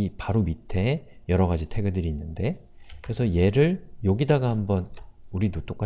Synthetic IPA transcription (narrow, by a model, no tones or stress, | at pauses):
ipaɾomitʰe̞jʌɾʌɣad͡ʑitʰe̞ɡɯdɯɾiːnːɯnde̞ | kɯɾe̞sʰʌje̞ɾɯɭjoɡidaɡahambʌnuɾidot͈ok͈a